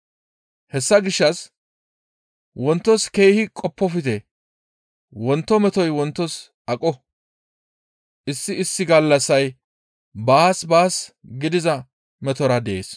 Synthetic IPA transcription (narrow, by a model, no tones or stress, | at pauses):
hɛsːɐɡɪʃːɐs | wɔnt̪ːɔske̞ːhɪkʼɔpːɔfɪt̪ɛ | wɔnt̪ːɔmɛt̪ɔjwɔnt̪ːɔs | ʔɐkʼɔ | ʔɪsːɪɪsːɪɡɐlːɐsːɐj | baːsbaːsɡɪd̪ɪzɐ | mɛt̪ɔɾɐd̪ɛʔḛːs